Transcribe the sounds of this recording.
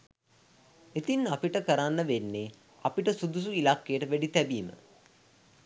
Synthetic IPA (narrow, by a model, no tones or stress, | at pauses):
et̪inapiʈəkəɾanːəʋenːe | apiʈəsud̪us̬uilakːejəʈəʋæɖit̪ɛbiːmə̰